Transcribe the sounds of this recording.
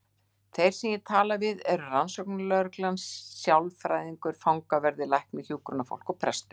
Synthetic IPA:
θejɾ̥sɛmjɛt̪ʰaːlavɪðɛɾʏransɔwknʏlœɾklansːjawlfɾajðiŋkʏɾ̥fawŋkavɛɾðɪlajhknmɪçjuːkɾʏnafo̰wlkɔɣpʰɾɛst̪ʏ̥

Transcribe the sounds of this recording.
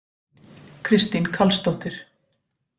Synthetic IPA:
kʰɾɪst̪inkʰalst̪owht̪ɪɾ̥

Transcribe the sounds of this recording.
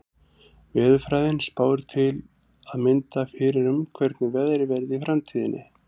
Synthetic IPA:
vɛːðʏfɾaːjðɪnspaːwɪɾ̥t̪ʰɪl | aðmɪnt̪afɪɾɪɾʏmkʰvɛɾt̪nɪvɛðɾɪvɛɾðɪifɾamt̪ʰiːðɪnʔɪ̰

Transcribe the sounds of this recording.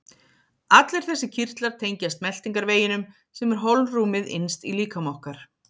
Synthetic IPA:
at̪lɛɾ̥θɛsːɪ̥cʰir̥t̪laɾ̥t̪ʰejɲcast̪̚mɛl̥t̪iŋkaɾveːjɪnʏm | sɛmɛɾ̥ɦowlnruːmɪðɪ̰nst̪iliːkamawhkaɾ̥

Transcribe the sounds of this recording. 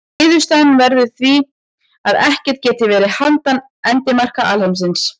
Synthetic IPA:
ɪːðʏst̪anvɛɾvɪðθvi | aðɛhcɛɾ̥t̪cɛːt̪ɪvɛːɾɪhant̪an | ɛnt̪ɪmar̥kaʔalhɛms̬ɪns

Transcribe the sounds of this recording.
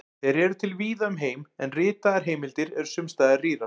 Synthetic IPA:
ɛɾɛɾʏt̪ʰɪlviːðaʏmɦeːjmɛnrɪːt̪aðaɾ̥ɦeːjmɪlt̪ɪɾɛɾ̥sʏmst̪aːjðariːɾa

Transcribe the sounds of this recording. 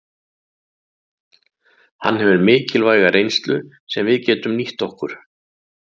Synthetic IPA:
ha̰nːhɛvʏɾmɪːcɪlvaːjɣaɾejnst̪lʏ | sɛmvɪðcɛːt̪ʏmniht̪ɔhkʏɾ̥

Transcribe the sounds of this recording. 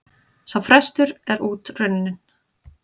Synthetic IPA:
sawfɾɛst̪ʏɾɛɾuːt̪rʏnːɪn̥

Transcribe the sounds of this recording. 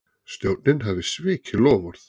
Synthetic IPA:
st̪joːwt̪nɪnɦavðɪsvɪːcʰɪlɔːvɔɾθ

